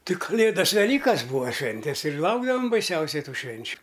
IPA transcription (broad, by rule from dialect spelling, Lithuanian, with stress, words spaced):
tʲɪ kɐˈlʲeːdɐs ʋʲɛˈlʲiːkɐs ˈbuːɐ ˈʃʲʋʲɛnʲtʲɛs ɪr ˈlˠɐʊɡdɐʋɐm bɐɪˈsʲɛʊsʲɛɪ ˈtuː ˈʃʲʋʲɛnʲt͡ʃʲʊ